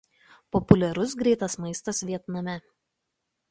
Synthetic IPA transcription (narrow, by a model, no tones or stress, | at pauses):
pɔpʊlʲɛɾʊs̬ɡɾʲɛɪt̪ɐsmɐɪst̪ɐsʋʲiɛt̪nɐmʲɛ